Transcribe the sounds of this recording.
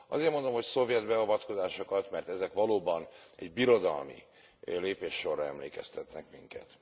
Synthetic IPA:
ʔɒ̰zeːrmond̪o̞mho̞cso̞vjɛd̪bɛɒvɒt̪ko̞zaːʃo̞kɒt̪mɛrt̪ɛzɛkʋɒloːbɒnɛɟbiɾo̞d̪ɒ̰lmḭ | leːpeːʃːo̞rːɒɛmleːkɛ̰st̪ɛt̪nɛkmiŋkɛ̰t̪

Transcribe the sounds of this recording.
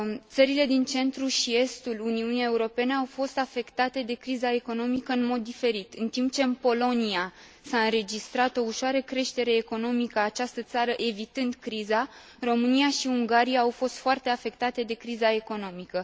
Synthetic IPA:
t̪səɾile̞d̪int͡ʃe̞nt̪ɾuʃie̞st̪uluniunijeuɾo̞pe̞neawfo̞st̪afe̞kt̪at̪e̞d̪e̞kɾizae̞ko̞no̞mikəɨnmo̞d̪ːife̞ɾit̪ɨnt̪imp̚t͡ʃe̞ɨnpo̞lo̞nia | saɨnɾe̞d͡ʒist̪ɾat̪o̞uʃoaɾəkɾe̞ʃt̪e̞ɾe̞ːko̞no̞mikəaːt͡ʃast̪ət̪saɾəʔevit̪ɨnd̪kɾiza | ro̞mɨnijaʃiuŋɡaɾijaːwfo̞st̪foart̪eafe̞k̚t̪at̪e̞d̪e̞kɾizae̞ko̞no̞mikə

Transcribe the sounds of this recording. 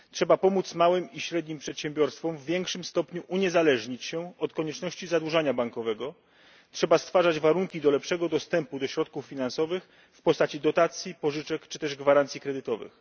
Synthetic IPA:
tʂɛbapɔmut̪smawɘmiɕɾɛd̪ɲimpʂɛt̪ɕɛmbʲjɔɾst̪fɔmvːʲjɛŋkʂɘmst̪ɔpɲuʔuɲɛzalɛʐɲit͡ɕɕɛɔt̪kɔɲɛt͡ʂnɔɕt͡ɕizad̪wuʐaɲabaŋkɔvɛɡɔ | tʂɛbast̪faʐad͡ʑvaɾuŋkʲid̪ɔlɛpʂɛɡɔd̪ɔst̪ɛmpud̪ɔɕɾɔt̪̚kufːʲinansɔvɘx | fpɔst̪at͡ɕid̪ɔt̪at̪sʲjipɔʐɘt͡ʂɛkt͡ʂɘt̪ɛʐɡvaɾant̪sʲikɾɛd̪ɘt̪ɔvɘ̰x

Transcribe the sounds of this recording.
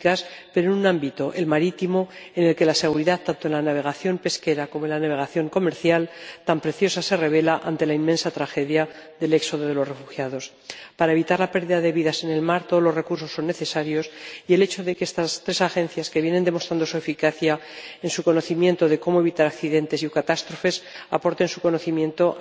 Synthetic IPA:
kaspe̞ɾonunãmbit̪o̞ʔe̞lmaɾit̪imo̞e̞ne̞lke̞lase̞ɣ̞uɾiðaðt̪ant̪o̞enlanaβ̞e̞ɣaθjo̞mpe̞ske̞ɾako̞monlanaβ̞e̞ɣaθjo̞ŋko̞me̞ɾθjalt̪ampɾe̞θjo̞sase̞re̞β̞e̞laʔant̪e̞laimmensat̪ɾaxe̞ðja | ðe̞le̞kso̞ðoðe̞lo̞sre̞fuxjaðo̞s | paɾae̞β̞it̪aɾlape̞ɾðiðaðe̞βiðase̞ne̞lmaɾt̪oðlo̞zre̞kuɾs̬o̞sːo̞nːeθe̞saɾjo̞sie̞le̞t͡ʃo̞ðe̞keest̪ast̪ɾe̞saxẽ̞n̟θjaske̞βje̞nend̪e̞mo̞st̪ɾand̪osue̞fikaθjaensuko̞no̞θimjẽ̞nt̪oðe̞ko̞moe̞β̞it̪aɾakθiðe̞nt̪e̞sjukat̪ast̪ɾo̞fe̞sapo̞ɾt̪e̞nsuko̞no̞θimjẽ̞nt̪o̞

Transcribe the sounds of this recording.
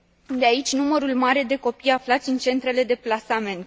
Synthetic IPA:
d̪eait͡ʃʲnuməɾulmaɾe̞d̪e̞ko̞pijaflat̪sʲɨnt͡ʃe̞nt̪ɾe̞le̞d̪e̞plasame̞nt̪

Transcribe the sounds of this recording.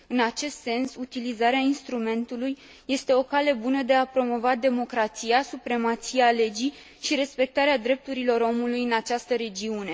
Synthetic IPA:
ɨnat͡ʃe̞st̪se̞nsut̪ilizaɾeainst̪ɾume̞nt̪ulujː | e̞st̪e̞o̞kale̞bunəd̪e̞apɾo̞mo̞vad̪e̞mo̞kɾat̪sijasupɾe̞mat̪sijale̞d͡ʒi | ʃiɾe̞spe̞k̚t̪aɾead̪ɾe̞p̚t̪uɾilo̞ɾo̞mulujɨnat͡ʃast̪əɾe̞d͡ʒiune̞

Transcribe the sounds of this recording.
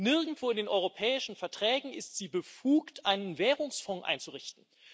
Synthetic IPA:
nɪɐɡŋ̩tv̥oːɪndeːnʔɔʏʁopʰɛːɪʃn̩fɛɐtʁ̥ɛːɡŋ̩ɪstz̥iːbəfuːktʔaɪnənvɛːʁʊŋsfɔ̃ŋʔa̰ɪnt͡suʁɪçtn̩

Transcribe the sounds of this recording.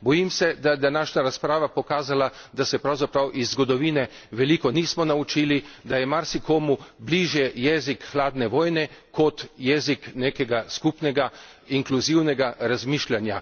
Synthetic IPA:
bɔjimsɛd̪ajɛd̪anaːʃnaɾaspɾaːʋapɔkaːzalad̪asɛpɾawzapɾawʔizːɡɔd̪ɔʋiːnɛ | ʋɛliːkɔniːsmɔnaut͡ʃiːlid̪ajɛmaɾsikoːmubliʒjɛjɛːzikxlaːd̪nɛʋɔːjnɛkɔt̪jɛzikneːkɛɡaskupnɛɡa | iŋkluziwnɛɡaɾazmiːʃlʲanja

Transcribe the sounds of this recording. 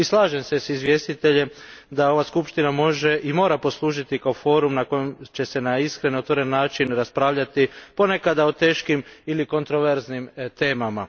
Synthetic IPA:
islˠaːʒe̞msesizʋje̞ːst̪it̪e̞ʎe̞ | d̪ao̞ʋaskupʃt̪inamo̞ʒe̞ʔimo̞ːɾapo̞slˠuːʒit̪ikaofo̞ːɾumnako̞jemt͡ʃe̞se̞naiskɾenio̞t̪ʋoɾe̞nːaːt͡ʃinɾaspɾaːʋʎat̪ipo̞nekad̪ao̞t̪e̞ːʃkimiliko̞nt̪ɾo̞ʋe̞ɾznimt̪e̞ːmama

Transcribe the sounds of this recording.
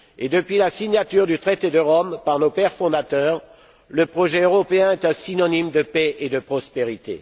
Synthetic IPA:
ed̪əpɥilasiɲat̪yʁd̪yt̪χet̪ed̪əʁɔmpaʁnopɛʁfɔ̃d̪at̪œːʁ | ləpχɔʒɛøʁɔpeɛ̃ɛt̪ɛ̃sinɔnimd̪əpɛʔed̪əpχɔspeʁit̪ḛ

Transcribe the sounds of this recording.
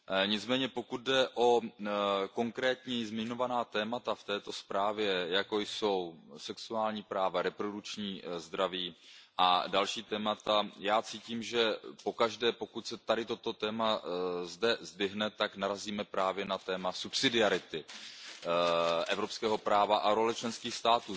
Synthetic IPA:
ɲɪt͡smɛːɲɛpo̞kut̪̚dɛʔo̞ | ko̞ŋkɾɛːt̪ɲɛzmɪɲo̞vanaːt̪ɛːmat̪aft̪ɛːt̪o̞spɾaːvjɛjako̞jso̞wsɛksuaːlɲiːpɾaːvaɾɛpɾo̞dut͡ʃɲiːzd̪ɾaviːʔadalʃiːt̪ɛːmat̪ajaːt͡siːciːmʒɛpo̞kaʒdɛːpo̞kucsɛt̪adɪt̪o̞t̪o̞t̪ɛːmazdɛzd̪vɪɦnɛt̪aknaɾaziːmɛpɾaːvjɛnat̪ɛːmasupsɪdɪaɾɪt̪ɪ | ʔɛvɾo̞pskɛːɦo̞pɾaːvaʔaɾo̞lɛt͡ʃlɛnskiːxst̪aːt̪uː

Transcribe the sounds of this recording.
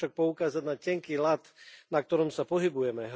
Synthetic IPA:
ʃak̚pɔukaːzadnacɛŋkiːlat̪nak̚t̪ɔɾɔmsapɔɦibujɛmɛɦ

